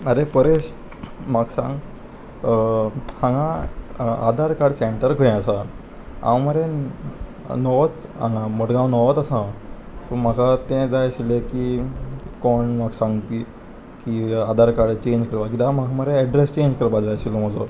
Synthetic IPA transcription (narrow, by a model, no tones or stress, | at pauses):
əɾepəɾeɕ | maɡsã̰ŋɡ | hãŋɡã | a̰d̪ʱaɾkaɽseɳʈəɾkʰəɛ̃əsa | ã̰wməɾe | nɔʋt̪ã̰ŋɡãməɽɡãwnɔʋt̪əsãw | təmakʰat̪ẽd͡zajɕileki | kɔɳmaɡsãŋɡt̪i | kiad̪ʱaɾkaɽt͡ɕẽɲd͡ʑkəɾʋakid̪amakməɾeɛɖɾest͡ɕẽɲd͡ʑkəɾbad͡zajɕiloməlo